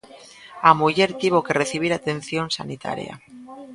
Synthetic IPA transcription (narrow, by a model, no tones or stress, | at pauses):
amuʝe̞ɾt̪iβokereθiβ̞iɾat̪e̞n̟θjonsanit̪ʰa̰ɾj̰a̰